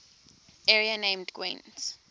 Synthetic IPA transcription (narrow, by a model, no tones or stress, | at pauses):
ɛɹianẽmdɡwḭ̃ns